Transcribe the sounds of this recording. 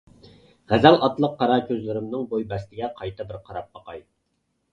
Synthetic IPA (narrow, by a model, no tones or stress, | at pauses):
ʁæzælɑt̪lˠəqʰːɑɾɑkʲʰøzlɪɾɪmnɨŋbojbɛst̪ɪɡʲɛqʰɑjt̪ʰɑbɪɾqʰɑɾɑp̚bɑqɑj